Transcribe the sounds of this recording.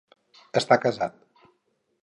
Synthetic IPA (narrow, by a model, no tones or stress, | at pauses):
əst̪akəzat̪̚